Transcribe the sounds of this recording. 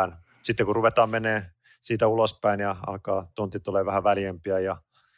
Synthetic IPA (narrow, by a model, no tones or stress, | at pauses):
n | sit̪ːekuruʋet̪ɑːmmenˑeː | siːt̪æulospæinjɑɑ̰lkɑːt̪ont̪ːit̪uleːʋʋæhæʋæljæmpiæjɑ